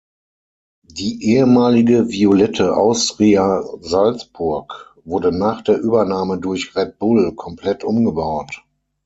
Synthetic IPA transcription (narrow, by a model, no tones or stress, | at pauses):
d̥iːʔeːəmaːlɪɡəviolɛtʰəʔa̰ʊstʁiazalt͡sb̥ʊɐk | vʊɐdənaːχd̥eːɐʔyːbɐnaːmədʊɐçʁɛt̚b̥ʊlkʰɔmpl̥ɛtʔʊmɡəbaʊt